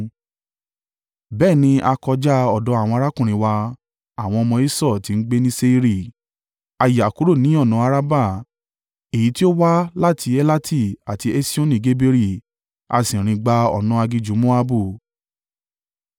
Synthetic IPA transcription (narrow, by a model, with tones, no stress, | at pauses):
bɛː˦˨nĩ˧ʔa˧kɔ˧d͡ʒa˦ɔ˨dɔ˨˧˦a˦˨w̃ɔ̃˧a˧ɾa˦kũ˦˨ɾ̃ĩ˨wa˧ | a˨w̃ɔ̃˧ɔ˧mɔ̃˧i˦sɔ˦˨ti˨˧˦n̩˦ɡ͡be˦nĩ˦se˧i˦ɾi˦˨ | a˧ja˨ku˨˦ɾo˦˨nĩ˨˦ɔ˦˨nɔ̃˨˧˦a˧ɾa˦ba˦˨ | e˨ji˨˦ti˦o˦wa˦la˦˨tʰi˧e˦la˦tʰi˦˨a˨ti˧e˦si˦õ˦nĩ˨ɡe˨˦be˧ɾi˦˨ | a̰˧sĩ˨ɾ̃ĩ˧ɡ͡ba˧ɔ̰˨nɔ̃˧˦a˧ɡi˧d͡ʒu˨˦mo˦a˧bu˦˨